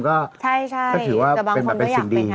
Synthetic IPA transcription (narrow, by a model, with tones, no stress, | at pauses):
kɔː˥˩˥kɔː˥˩ɯː˩˦waː˥˩˧pe˧nbɛː˨˧pːe˧nsi˨˩ŋdiː˧